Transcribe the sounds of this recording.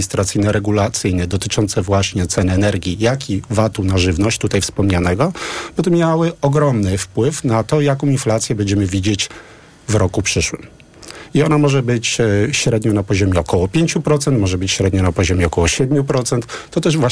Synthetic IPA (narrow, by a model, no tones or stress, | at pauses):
ist̪ɾat̪sɘjnɛɾɛɡulat̪sɘjnɛd̪ɔt̪ɘt͡ʂɔnt̪sɛvwaɕɲɛt̪sɛnɘɛnɛɾɡʲijakʲʰivat̪unaʐɘvnɔɕt͡ɕt̪ut̪ajfspɔmɲanɛɡɔbɔt̪ɔmʲjawɘɔɡɾɔmnɘfpwɘfnat̪ɔjakɔ̃w̃inflat̪sʲjɛbɛɲd͡ʑɛmɘvʲid͡ʑet͡ɕ | vɾɔkupʂɘʂwɘm | iɔnamɔʐɛbɘt͡ɕɕɾɛd̪ɲɔnapɔʑɔmʲjɛɔkɔwɔpʲjeɲt͡ɕupɾɔt̪sɛnt̪mɔʐɛbɘt͡ɕɕɾɛd̪ɲɔnapɔʑɔmʲjɛɔkɔwɔɕɛd̪̚mʲjupɾɔt̪sɛnt̪ːɔt̪ɛʐvwa